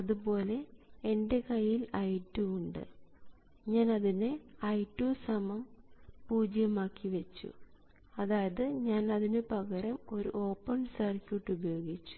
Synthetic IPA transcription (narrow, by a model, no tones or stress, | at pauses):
ɐðupo̞ːle̞ːnde̞kɐjːilɐjtːuuɳɖɨ̰ | ɲaːnɐðineɐjtːuːsɐmɐmpuːd͡ʑjɐmaːkːiʋet͡ɕːṵ | ɐðaːjɐðɨɲaːnɐðinɨpɐɣɐɾɐmo̞ɾṵʔo̞ːpːɐɳsɐrkʲiʈːubɐjo̞ːɡit͡ɕːu̥